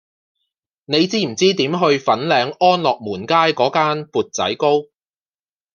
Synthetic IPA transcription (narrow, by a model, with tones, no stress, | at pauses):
ne˨˧jt͡siː˥m̩˨˩t͡siː˥t̪iː˨˥mɦɵ˧ɥfɐ˨˥nlɛː˨˧ŋʔɔː˥nlɔː˨k̚muː˨˩nkaː˥jkɔː˨˥kaː˥npuː˨t̚t͡sɐ̰˨˥jko˥w